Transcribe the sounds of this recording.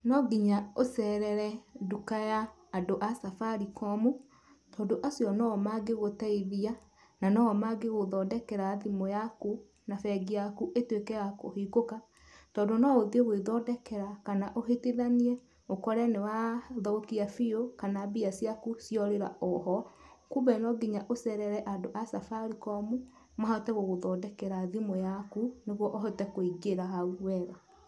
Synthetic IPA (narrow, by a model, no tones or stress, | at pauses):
nɔɡiɲaosɛɾɛɾɛdukajaː | doʔasafaɾikɔmo | tɔːndoʔasjɔnɔmaɡeɣotɛiðia | nanɔmaɡeɣoðɔdɛkɛɾaðimojaku | nafɛɡiakuʔetwekɛɣako̰hiɡoka | tɔːdonɔoðioɣweðɔdɛkɛɾakanaʔoɦeteðaniɛ | okɔɾɛnewaðɔokiafiokanabiasjakusjɔɾeɾa̰ʔɔɦɔ | kubɛnɔɡiɲaʔosɛɾɛɾɛʔadoʔasafaɾikɔmu | mahatɛɣoɣoðɔdɛkɛɾaðimojakuneɣwɔʔɔɦetɛkoiɡeɾaɦauwɛɣa